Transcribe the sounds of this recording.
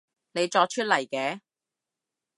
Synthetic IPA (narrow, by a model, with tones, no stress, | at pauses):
ne˨˧jt͡ʃɔː˧k̚t͡ʃʰɵ˥t̚lɐ˨˩jkɛː˨˧˥